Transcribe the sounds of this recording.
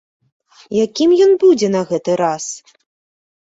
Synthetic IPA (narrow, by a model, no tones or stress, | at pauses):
jakʲimjɔnbud͡zʲɛnɐɣɛt̪ɨɾas